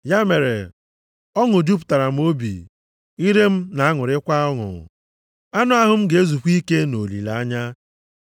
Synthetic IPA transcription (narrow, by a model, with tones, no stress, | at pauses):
ja˦me˨ɾḛ˨ | ɔ˦ŋʊ˨d͡ʒu˦pʊ̥˨ta˨ɾa˨m̩˦o˦bḭ˨ | i˦ɾe˦m̩˦na˨a˦ŋʊ˨ɾɪ˦kʷa˦ɔ˦ŋʊ̰˨ | a˦nʊ˦a˦ɦʊ˨m̩˦ɡe˨e˦zu˨kʷi˦ke˦no˨lḭ˨la˨a˦ɲa˦